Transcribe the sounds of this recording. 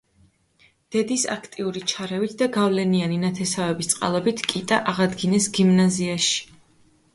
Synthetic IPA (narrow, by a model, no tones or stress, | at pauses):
d̪̥ɛd̪isa̰kʰt̪ʼiuɾit͡ʃʰaɾɛvit̪ʰd̪aɡavlɛnianinat̪ʰɛsavɛbist̪sʼqʼa̰lˠɔbit̪ʰkʼit̪ʼaʔaʁad̪ɡinɛsɡimnaziaʃi̥